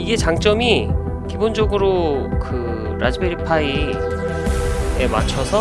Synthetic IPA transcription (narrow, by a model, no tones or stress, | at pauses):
iɡe̞t͡ɕaŋt͡ɕ͈ʌmi | kibond͡ʑʌɡɯɾokɯ | ɾʔad͡ʑibeɾipʰai | ema̰t͡ɕʰʌsʰʌ